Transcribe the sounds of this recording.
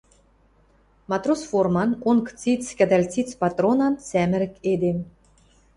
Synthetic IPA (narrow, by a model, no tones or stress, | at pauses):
mɑt̪rosformɑnunkt͡sit͡skʲæd̪ɑlʲt͡sit͡spɑt̪ronɑnsæmɘ̆ɾɘ̆ked̪em